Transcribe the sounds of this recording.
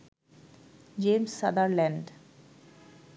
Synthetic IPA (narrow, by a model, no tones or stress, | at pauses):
d͡ʑemsːad̪aɾlɛ̃ɳɖ